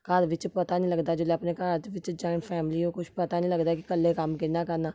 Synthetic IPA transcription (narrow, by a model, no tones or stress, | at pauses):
kaːd̪ʋɪt͡ʃpɐt̪anĩləɡd̪ad͡ʒoleɐpnekat̪ʋɪt͡ʃd͡ʒaːɪ̃nfʰɛːmɪliõkʊt͡ʃʰpɐt̪anĩləɡd̪akikəlːekamkenakəɾnaː